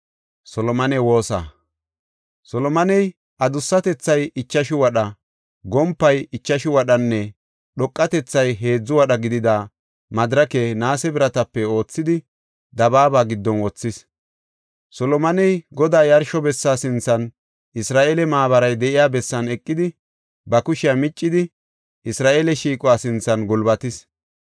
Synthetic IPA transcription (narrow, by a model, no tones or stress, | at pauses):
sɔlɔmɐnɛwo̞ːsa̰ | sɔlɔmɐnɛj | ʔɐd̪ʊsːɐt̪ɛt͡sːɐjɪt͡ʃːɐʃɪwɐɗɐ | ɡɔmpːɐjɪt͡ʃːɐʃɪwɐɗɐnːɛ | ɗɔkʼːɐt̪ɛt͡sːɐjɦe̞ːd͡zːʊwɐɗɐɡɪd̪ɪd̪a | mɐd̪ɾɐkenaːsɛbɪɾɐt̪ɐpːɛo̞ːt͡sːɪd̪ɪ | d̪ɐbaːbaːɡɪd̪ːɔnwɔt͡sːɪs | sɔlɔmɐnɛjɡɔd̪aːjɐɾʃɔbɛsːaːsɪnt͡sːɐn | ʔɪsɾaːʔeːlɛmaːβɐɾɐjd̪ɛʔɪjaːbɛsːɐnɛkʼːɪd̪ɪ | bɐkʊʃɪjamɪt͡ʃʼːɪd̪ɪ | ʔɪsɾaːʔeːlɛʃiːkʼɔwaːsɪnt͡sːɐnɡʊlbɐt̪ɪs